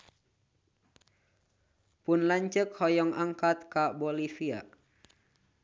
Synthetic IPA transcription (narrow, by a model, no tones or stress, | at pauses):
pʊnlaɲt͡ʃəkhɔjɔŋaŋkat̪̚kabɔlifia̰